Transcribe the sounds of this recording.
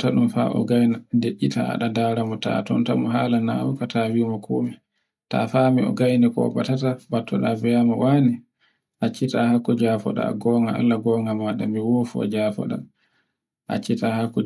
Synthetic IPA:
taɗumfa̰ʔɔ̰ɡajnadeʔːita̰ɗadaːɾamɔta̰tɔntamɔɦaːlana̰wɔkatʰawimɔkʰoːmɛ | ta̰famiɔ̰ɡajnikɔɔbatatabatʰːɔɗavɛjamɔwani | ʔat͡ʃːitahakːɔd͡ʒaːfɔɗa̰ɡɔːŋɡaa̰lːaɡɔŋɡamaɗamiwoːfɔ̰d͡ʒaːfɔ̰ɗa̰m | ʔa̰t͡ʃːitahakːɔ

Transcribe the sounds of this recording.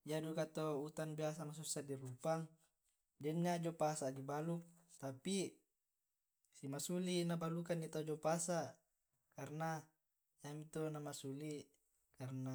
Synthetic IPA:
d͡ʒadukat̪out̪anbias̬amas̬usadirupaŋ | d͡ʒɛnːad͡ʒopasadibalukt̪api | simasulinabalukandit̪aud͡ʒopasa | karna | jamit̪onamasuli | karna

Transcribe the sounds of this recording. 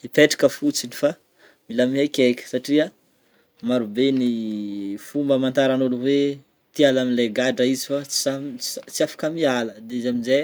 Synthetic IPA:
ipeʈ͡ʂḁkəfut͡sinifa | milamiakʲekʲə̥saʈ͡ʂia | maɾubeni | fumbəmant̪aɾanoluwe | t̪ialaminleɡaɖ͡ʐəizifat͡samt͡siafḁkəmialəd̪eizaminze

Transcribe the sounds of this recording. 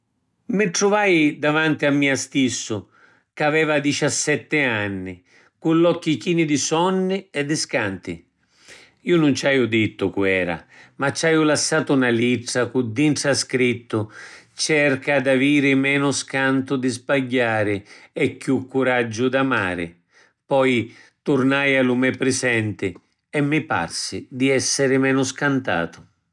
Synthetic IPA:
mɪʈ̪ɾʊvajd̪avant̪ɪamːiːast̪isːʊ | kavɛːvad̪it͡ʃasːɛt̪ːɪanːɪ | kulːɔkːikiːnɪd̪ɪsɔnːɪɛd̪ːɪskant̪ɪ̰ | iːʊnunt͡ʃajʊd̪it̪ːʊkuɛːɾa̰mat͡ʃːajʊlasːaːt̪ʊnaliʈːakud̪ːiɳʈɾaskɾit̪ːʊt͡ʃɛrkad̪aviːɾɪmɛːnʊskant̪ʊd̪ɪzbaɟːaːɾɪɛkːjukːuɾad͡ʒːʊd̪amaːɾɪ̰ | pɔjt̪ʊɾnajalumɛpːɾɪsɛnt̪ɪ | ɛmːɪpa̰rsɪd̪iɛsːɪɾɪmɛːnʊskant̪a̰ːt̪ʊ̥

